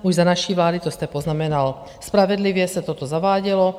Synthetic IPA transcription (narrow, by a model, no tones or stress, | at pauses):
uʒzanaʃiʋlaːd̪it̪ɔst̪ɛpɔznamɛnal | spɾaʋɛd̪liʋɪɛsat̪ɔt̪ɔzaʋaːɟɛlɔ